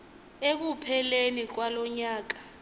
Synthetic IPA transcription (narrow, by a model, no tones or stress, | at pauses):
ek̬upʰɛlenik̬walɔɲaːk̬ḁ